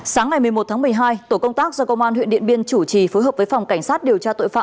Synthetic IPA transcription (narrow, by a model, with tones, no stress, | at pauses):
saː˨˦ŋa˨˩jmɨ˨˩əjmo˨˩t̪ʰaː˨˦m˨˩əjɦaː˧jt̪o˧˩kə˧wŋ͡mt̪aː˦˥k̚zɔ˧kə˧wŋ͡mʔaː˧nɦwḭ˧˨nɗḭ˧˨ənɓi˧ənt͡ɕu˧˩t͡ɕi˨˩fo˨˦jɦəː˨˩p̚və˨˦jfa˨˩wŋ͡mka˧˩jŋ̟saː˦˥t̚ɗi˨˩əwt͡ɕaː˧t̪o̰˧˨jfa̰ː˧˨